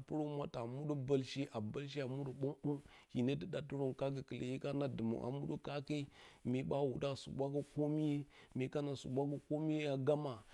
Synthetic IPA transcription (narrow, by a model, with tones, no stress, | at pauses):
pu˦ɾo˦mʷa˦ta˨mu˦ɗu˦ba˦˨lʃi˦ʔa˨ba˦lʃ̬i˦a˨mu˦ɗu˨ɓo˦mbu˦ | hi˨ne˦ti˦da˨tu˦ɾo˦ŋka˦k̬i˨kə˨lḛ˨ji˦ka˦na˨di˨mṵ˨ʔa̰˨mu˦ɗu˦ka˦ka˦i˦mi˨˦ɓa˦wu˨da˦˨sṵ˨bʷa˦ka˦ko˦mi˦je˦ | mi˨ka˦na˨sṵ˨ɓʷa˦ka˦ko˦mi˦je˦a˨ɡa˦ma˨